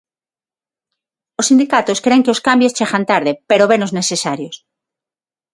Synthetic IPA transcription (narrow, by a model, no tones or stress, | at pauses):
osind̪ikat̪oskɾe̞ŋkeoskambjost͡ʃeɣant̪aɾðepeɾoβenoznesesaɾjos